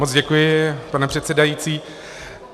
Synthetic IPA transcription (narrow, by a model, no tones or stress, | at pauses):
mot͡sɟɛkujɪpanɛpr̝̥ɛt̪sɛdajiːt͡siː